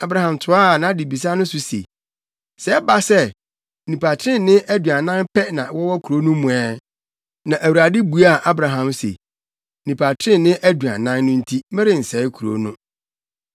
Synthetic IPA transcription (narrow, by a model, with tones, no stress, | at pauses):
a˨˦bɾa˨hã˨mtʰʊ˨a˦˨nã˨˦di˨bi˨s̬a˦nʊ̃˦sʊ˨sḛ˨ | sɛ˦ba˨sɛ˦ | nĩ˨pʰa˨tʰɾɪ̃˦˨nnɪ̃˦ʔæ˦du˨a˨nã˦npʰɛ˦nã˨wɔ˦wɔ˦kʰu˨ɾo˦nʊ̃˦mũ˨ɛ˦ | nã˨ʔæ˨wu˨ɾa˨dɪ˦bu˨˦a˦˨ʔa˦bɾa˨ɦã˨msḛ˨ | nĩ˨pʰa˨tʰɾɪ̃˦˨nnɪ̃˦ʔæ˦du˨a̰˨nã˦nːʊ̃˦n̩˦tʰi˦mɛ̃˦ɾɪ˨n̩˨sɛː˨˦kʰu˨ɾo̰˦nʊ̃˦